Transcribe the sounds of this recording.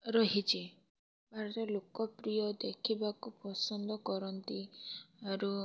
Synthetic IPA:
ɾɔɦit͡ʃʰi | bʱaɾɔt̪ɔlokɔpɾijɔd̪ekʰibakupɔsɔnd̪ɔkɔɾɔnt̪iaɾu

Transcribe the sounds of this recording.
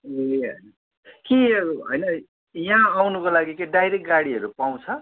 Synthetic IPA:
ɦʌ̰jn | kiɦʌ̰jnʌ | jãːwnukolaɡikeɖajɾekʈ̚ɡaɽiɦʌɾupaw̃t͡sʰʌ

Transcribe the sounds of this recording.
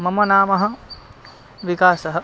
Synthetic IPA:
mɐmɐnaːmɐɦɐ̆ | ʋikaːsɐɦɐ̆

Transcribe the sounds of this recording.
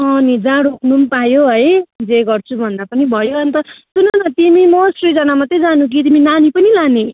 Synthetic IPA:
ʌnid͡zaɽoknumpajoɦʌjd͡zeɡʌrt͡sʰubʱʌnd̪apʌnibʱʌjoʌnt̪ʌsunʌnʌt̪imimosʈrid͡zʌnamʌt̪ed͡zanũk̬it̪iminanipʌnilane

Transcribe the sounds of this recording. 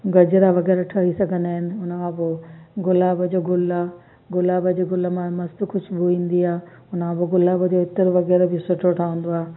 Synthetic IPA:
ɡɐd͡ʑɾaʋɐɣɛːɾaʈʰaɦisɐɡʱə̃nd̪aːɦɪnɪ̆ʊnəkʰãpoɡʊlaːbəd͡ʑoɡʊla | ɡʊlaːbəd͡ʑeɡʊləmãmɐst̪kʰʊt͡ʃʰʊbʱuʋĩːn̆d̪iaː | ʊnəkʰãpoɡʊlaːbəd͡ʑoɪt̪ɪɾʋɐɣɛːɾbɪsʊʈʰoʈʰaũːn̆d̪oaːe

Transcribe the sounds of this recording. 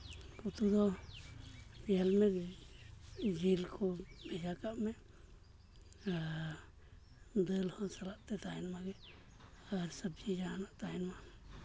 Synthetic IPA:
kut̪ud̪ɔ | bialmɛ | d͡ʒilkʰɔbɛd͡ʒakaʔmɛʔ | a | d̪əlhɔnsalaʔt̪ɛt̪aɦɛnmaɡɛ | aɾsəb̚d͡ʒid͡ʒanaʔt̪aɦɛnma

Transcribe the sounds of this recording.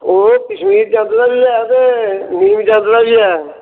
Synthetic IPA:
oːkəʃmiːɾd͡ʒãːnd̪d̪aːbiːɛːt̪eːniːmd͡ʒãːnd̪d̪aːbiːɛː

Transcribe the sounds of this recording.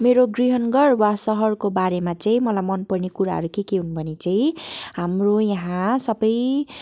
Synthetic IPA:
meɾoɡriɦʌnɡʌrwasʌɦʌrkobaɾemat͡saĩmʌlajmʌnpʌrnekuɾa̰ɦʌ̰ɾukekeɦunbʱʌnet͡saĩɦamrojaɦãsʌbʌj

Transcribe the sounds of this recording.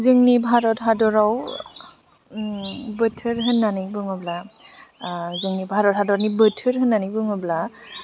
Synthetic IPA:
zɯŋnibʱaɾɔtɦadɔɾaw | bɯtʰɯɾɦɯnːanibɯŋɔbla | zɯŋnibʱaɾɔt̚hadɔɾnibɯtʰɯɾɦɯnːanibɯŋɔbla

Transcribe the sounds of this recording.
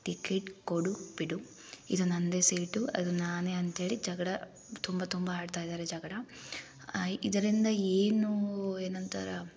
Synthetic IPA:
ʈikeʈkoɽubiɽu | ḭd̪unɐnd̪eseːʈuɐ̰d̪unaːneːɐnt̪ɦe̞ːɭid͡ʒɐɡɐɽɐ | t̪umbɐt̪umbaaːɽt̪aːjid̪aːɾed͡ʒɐɡɐɽɐ | id̪ɐɾind̪ɐeːnueːnɐnt̪ɐ̰ɾɐ

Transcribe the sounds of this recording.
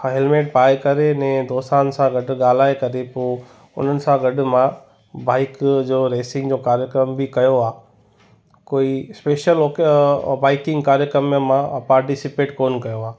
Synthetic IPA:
ɦɛlmeːʈ̚paːekɐɾenɛ̃ːd̪oːst̪aːnsãɡɐɖ̆ɠaːl̤aːekɐɾepoː | ʊ̰n̤ənɪ̆sãɡɐɖʊmã | baːɪkd͡ʑoːɾeːsɪ̃ŋɡd͡ʑoːkaːɾjəkɾəmbikɐjoaː | koːispeːʃəlokbaːɪkɪ̃ŋɡkaːɾjəkɾəmjəmãpaːɾʈisɪpeːʈkoːnkɐjoaː

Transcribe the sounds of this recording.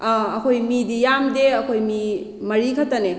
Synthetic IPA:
ɐkʰojmidijamdeɐkʰojmi | mɐɾikʰatɐne

